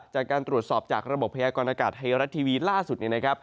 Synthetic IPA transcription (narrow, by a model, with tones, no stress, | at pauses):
t͡ɕaː˨˩kːaː˧nt̪ɾu˨˩ət̪̚sɔː˨˩p̚t͡ɕaː˨˩k̚ɾa˧bo˨˩pʰːa˧jaː˧kɔː˧nʔaː˧kaː˨˩t̪̚ha˧jɾa˦˥t̪ʰːiː˧wiː˧laː˥˩su˨˩t̪̚ni˥˩na˦˥kʰa˦˥p̚